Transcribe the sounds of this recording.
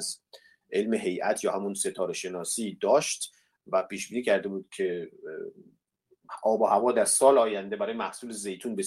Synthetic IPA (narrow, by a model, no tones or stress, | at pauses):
z | ʔe̞lmeɦe̞jʔæt̪ʰjɒːhæmunse̞t̪ʰɒːɾeʃe̞nɒːsiːd̪ɒːʃt̪ | væpiːʃbiːniːcʰæɾd̪e̞buːd̪̥cʰe̞ | ʔɒːbohævɒːd̪æɾsɒːlɒːjænd̪e̞bæɾɒːjemæhsuːleze̞jt̪ʰuːnbe